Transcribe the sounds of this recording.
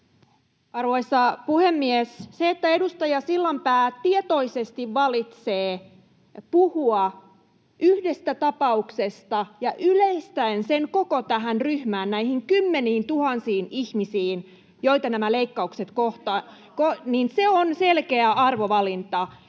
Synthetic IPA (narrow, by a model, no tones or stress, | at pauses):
ɑrʋo̞isːɑpuhemːiesseːt̪ːæedust̪ɑjɑsilːɑmpæːt̪iet̪o̞isest̪iʋːɑlit̪seː | puhuɑ | ʔyhde̞st̪æt̪ɑpɑuksest̪ɑjɑʔyleist̪æenseŋko̞kot̪æɦænryhmæːnnæihiŋkymːeniːnt̪uhɑnsiːnihmisiːn | jo̞it̪ɑnæmæleikːɑukse̞t̪koht̪ɑ | koninseonselkeæʔɑrʋo̞ʋɑlint̪ɑ